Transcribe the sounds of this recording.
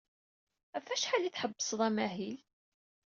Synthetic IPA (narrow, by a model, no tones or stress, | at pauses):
æfæʃħaliθħəbːəsˤðˤæmæɦil